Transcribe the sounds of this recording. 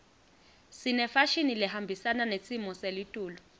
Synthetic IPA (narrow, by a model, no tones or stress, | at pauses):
sinɛfaʃinilɛɦambʱisananesʼimɔselitʼuːlɔ